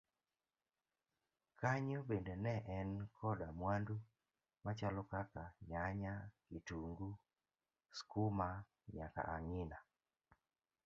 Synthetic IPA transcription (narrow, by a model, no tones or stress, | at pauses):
kaɲobendenɛʔɛnkʰɔdamwandu | mat͡ʃalɔkakaɲaɲakituŋɡu | skuma | ɲa̰ka̰ʔaŋɪna